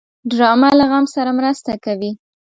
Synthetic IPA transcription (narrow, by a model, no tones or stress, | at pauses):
ɖɾɑmalaɣamsaɾamɾast̪akawi